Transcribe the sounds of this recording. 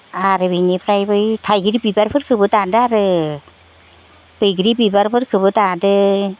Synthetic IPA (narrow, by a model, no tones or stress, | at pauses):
aɾɯbinipʰɾajbɯjtʰajɡɯɾibibaɾpʰɯɾkʰɯbɯdadɯaɾɯ | bɯjɡɾibibaɾpʰɯɾkʰɯbɯdadɯ